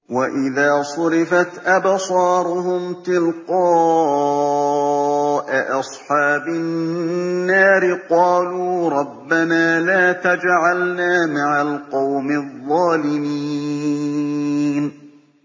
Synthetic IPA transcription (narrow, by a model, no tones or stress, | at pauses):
waʔɪðaːsˤʊɾɪfat̪ʔabsˤɑːɾˤʊhʊmt̪ɪlqɑː | ʔaʔɑsˤħɑːbaː | aːɾɪqɑːluːɾˤɑbːanaːlaːt̪ad͡ʒʕalnaːmaʕalqɑwmɪðˤːɑːlɪmiː | n